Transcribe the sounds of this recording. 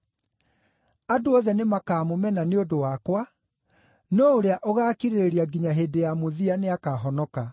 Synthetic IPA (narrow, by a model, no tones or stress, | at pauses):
adoɔðɛnemakaːmomɛnaneondowakwa | nɔoɾeaʔoɣaːkiɾeɾeɾiaɡiɲaɦeːdejamoðianeakaɦɔnɔka